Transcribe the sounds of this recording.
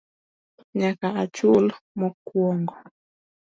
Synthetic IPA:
ɲakaat͡ʃulmɔkwɔŋɡɔ

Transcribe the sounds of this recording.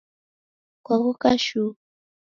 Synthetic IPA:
kwaɣukaʃu

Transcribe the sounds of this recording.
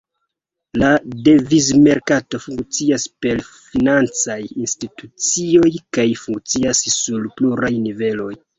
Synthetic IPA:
lade̞vizme̞ɾkato̞fuŋkt͡siaspe̞lfinant͡sajinstitut͡sio̞jkajfuŋk̚t͡siasːulpluɾajnive̞lo̞j

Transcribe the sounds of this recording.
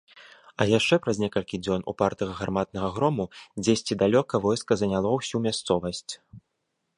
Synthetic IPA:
ɐjaʂt͡ʂɛpɾɐzʲnʲɛkɐlʲkʲid͡zʲɔnṵpart̪ɐɣɐɣarmat̪̚nɐɣɐɣɾɔmud͡zʲesʲt͡sʲid̪alʲɔkɐvɔjskɐzɐnʲalˠɔwsʲumʲast̪sɔvɐsʲt͡sʲ

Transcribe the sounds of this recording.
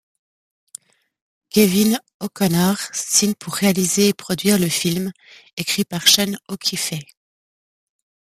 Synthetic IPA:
kʲevin | ɔkɔnaʁsiɲpʰuʁːealizeːpχɔd̪ɥiʁləfilm | ekχipaʁʃanɔkʰʲifɛ

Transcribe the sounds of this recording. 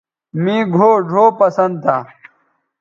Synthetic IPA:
mĩːɡʱoːɖʱoːpɐsɐnd̪̚t̪ʰaː

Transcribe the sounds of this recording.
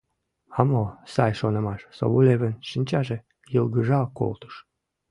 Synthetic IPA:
ɑmosɑjʃonə̆mɑʃso̰βuleβənʃənʲt͡ɕɑʒe | jəlɡəʒɑko̰lt̪ə̥ʃ

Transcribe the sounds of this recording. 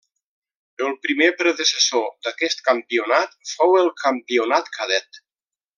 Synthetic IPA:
əlˠpɾimepɾəðesəsod̪akɛst̪̚kampiunat̪fowəlˠkʰampiunat̪kʰaðɛt̪

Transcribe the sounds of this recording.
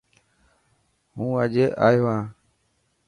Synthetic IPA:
ɦũːəd͡ʒeːʔaːjoːãː

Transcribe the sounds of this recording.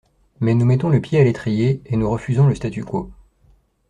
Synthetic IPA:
mɛnumɛt̪ɔ̃ləpjealet̪χijeenuʁəfyzɔ̃ləst̪at̪yko

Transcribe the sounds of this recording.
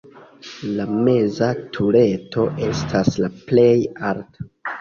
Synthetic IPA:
lame̞zatʰule̞to̞ʔe̞stʰaslaple̞jaɾto̥

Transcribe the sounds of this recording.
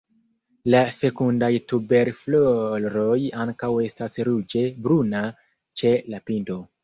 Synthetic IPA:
lase̞kundajtube̞ɾflolɾo̞jaŋkawe̞stasɾud͡ʒe̞bɾuna | t͡ʃe̞lapinto̞

